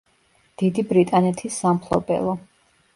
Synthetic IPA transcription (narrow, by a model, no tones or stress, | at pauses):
d̪̥id̪ibɾit̪ʼanɛt̪ʰisːamχʰlˠɔ̰bɛ̰lˠɔ